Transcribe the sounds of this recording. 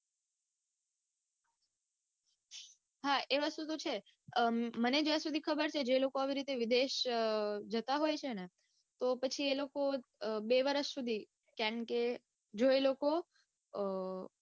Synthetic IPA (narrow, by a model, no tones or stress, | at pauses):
ɦaʔeʋasud̪ʱut͡ʃʰe | məned͡ʒasud̪ʱikʰəbəɾt͡ʃʰed͡ʒelokoaʋiɾit̪eʋid̪eʃ | d͡ʒət̪aɦojt͡ʃʰene | t̪opət͡ʃʰielokobeʋəɾəʃsud̪ʱi | kjaɳke | d͡ʒoeloko